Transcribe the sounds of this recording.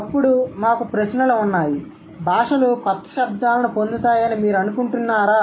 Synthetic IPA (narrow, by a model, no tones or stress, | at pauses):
pːuɽumaːkupɾɐsnɐluunːaːji | bʱaːʂɐlukɔt̪ːɐ̥ʃɐb̚d̪aːlɐnupond̪ut̪aːjɐnimiːɾɐnukuɳʈunːaːɾaː